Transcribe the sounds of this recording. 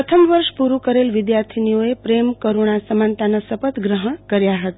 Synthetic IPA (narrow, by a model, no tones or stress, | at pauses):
ət̪ʰəmʋəɾʃpuɾukəɾelʋɪd̪jaɾt̪ʰinijoepɾemkoɾoɳ̃asəmant̪anasəpət̪ɡɾəɦəɳ̃kəɾjaɦət̪a